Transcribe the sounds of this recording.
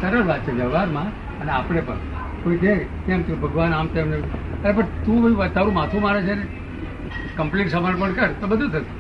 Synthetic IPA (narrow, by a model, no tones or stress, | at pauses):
səɾəɾʋat̪̚ːt͡ʃʰeʋjəʋʋaɾmã | əneapɽ̃epə̰ɳ | koik̪e | kemt̪ẽbʱəɡʋanamt̪emneəɾepəɳt̪ũʋiʋt̪aɾũmãt̪ʰũmaɾet͡ʃʰe | kəmpliʈsəməɾpəɳkəɾt̪obəd̪ʱut̪ʰət̪ũ̥